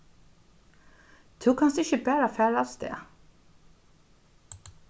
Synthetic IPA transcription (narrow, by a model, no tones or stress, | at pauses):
d̪ʰʉːkʰɑnsd̪ɪçəbæːɾofæːɾɑlst̪ḛː